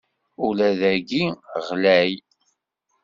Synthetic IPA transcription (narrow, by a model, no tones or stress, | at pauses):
ulæðæɡiʁlæj